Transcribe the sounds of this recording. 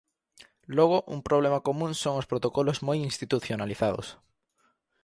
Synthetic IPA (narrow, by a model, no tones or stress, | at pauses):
loɣ̞oʔṵŋpɾoβlemakomũŋsoŋospɾot̪okolozmojinst̪it̪uθjonaliθaðo̰s